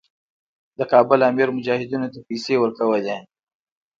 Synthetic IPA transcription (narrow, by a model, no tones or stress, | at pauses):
d̪əkɑbʊlɑmɪɾmʊd͡ʒɑːhɪd̪unot̪apijsewəɾkawəle